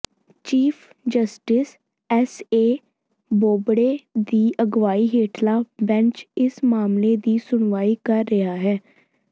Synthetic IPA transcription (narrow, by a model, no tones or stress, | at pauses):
t͡ʃiːpʰ | d͡ʒəsʈɪs | ɛseː | boːbɽeːd̪iːʔəɡʋaːiːɦeːʈʰlaːbɛ̃nt͡ʃɪsmaːmleːd̪iːsʊɳ̃ʋaːiːkəɾːɪɦaːɦɛː